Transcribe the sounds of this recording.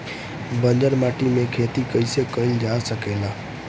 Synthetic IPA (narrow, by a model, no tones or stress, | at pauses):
bə̃nd͡ʒəɾmaːʈimẽkʰeːt̪ikəisekəɪnd͡ʑaːsəkʰeːlaː